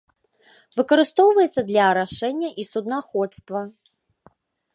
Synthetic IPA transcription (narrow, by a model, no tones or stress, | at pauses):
vɨkɐɾɨst̪ɔwvɐjɛt̪sːɐd̪lʲɐːɾaʂɛnʲːɐʔisud̪naxɔt̪st̪vɐ